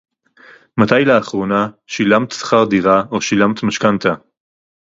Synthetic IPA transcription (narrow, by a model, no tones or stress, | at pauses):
mat̪ajleːχʁonaʃilamt̪sḁχaʁd̪iʁaʔoʃilamt̪maʃkant̪a